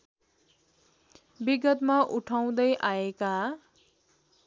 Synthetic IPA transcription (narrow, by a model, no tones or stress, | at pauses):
biɡʌt̪maʔuʈʰaw̃d̪ʌjʔaeka